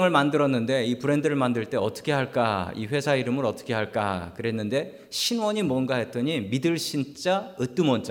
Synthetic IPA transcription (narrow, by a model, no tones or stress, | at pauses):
ŋɯɭmandɯɾʌnːɯnde̞ipɯɾe̞ndɯɾɯɭmandɯɭt͈e̞ʌt͈ʌ̥kʰe̞ɦaɭk͈aḭɸwe̞sʰaiɾɯmɯɾʌt͈ʌ̥kʰe̞ɦaɭk͈a̰kɯɾe̞nːɯnde̞ | ɕʰinwʌɲimwʌnɡaɦe̞t͈ʌɲimidɯɭɕʰint͡ɕ͈aɯt͈umʌnt͡ɕ͈a